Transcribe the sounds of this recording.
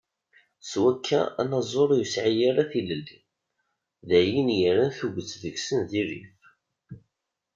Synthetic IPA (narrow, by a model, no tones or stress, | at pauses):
swækʰːæ̰æ̰nɑzˤoɾˤjəsʕijaɾaθiləlːi | ðæjinjiɾænθuɡʷət͡sːvəksənðiɾḭf